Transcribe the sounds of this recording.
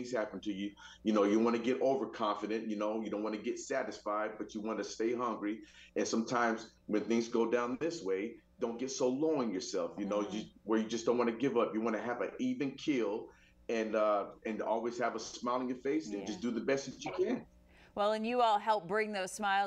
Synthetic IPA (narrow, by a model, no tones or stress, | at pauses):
θŋz̥hæpn̩tʰɨjɨ | jɨnoʊjɨwɑnɨɡɛɾʔoʊvə˞kʰɑ̃ɱfɨɾɨ̃nʔjɨnoʊjɨdõʊ̃n̚ʔwɑ̃nɨɡɛtsæɾɨsfaɪd̚bʌt͡ʃɨwɑ̃nɨsteɪɦʌ̃ŋɡɹiɨ̃nsʌ̃mtʰãɪ̃mz | wɨ̃nθɪ̃ŋzɡoʊdãʊ̃nðɪsweɪd̥õʊ̃nɡ̥ɛtsoʊlɔʊɪ̃ŋjə˞sɛlˠfjɨnoʊjɨwə˞jɨd͡ʒʌsd̥õʊ̃nʔwɑ̃nɨɡɪvʌpjɨwɑñɨːvɨʔivɨ̃nkʰɪlˠ | ɨ̃nʌɨ̃nɔlˠwiz̥ɨvəsmaɪlˠɪ̃ŋjɨfeɪsɨ̃nd͡ʒʌsd̥ɨðɨbɛst͡ʃɨkʰɨ̃n | wɛlˠɨ̃njɨɔlˠɦɛlˠp̚b̥ɹɪ̃ŋðoʊz̥smaɪ